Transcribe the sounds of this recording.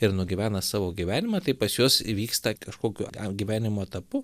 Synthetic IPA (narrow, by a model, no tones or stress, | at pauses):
ɪɾnʊɡʲɪʋʲæːnɐsɑːʋoːɡʲiʋʲæːnʲɪmɐt̪ɐɪpɐsjoːsʋʲiːkst̪ɐkɐʃkoːkʲʊɡʲiʋʲæːnʲɪmoːt̪ɐpʊ